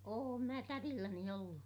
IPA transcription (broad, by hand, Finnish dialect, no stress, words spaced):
oːm mæ tærilːæni olːu